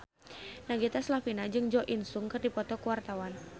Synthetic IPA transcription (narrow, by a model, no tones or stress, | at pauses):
naɡit̪aslafinad͡ʒɨŋd͡ʒɔʔinsʊŋkɨrdipɔt̪ɔkuwart̪awan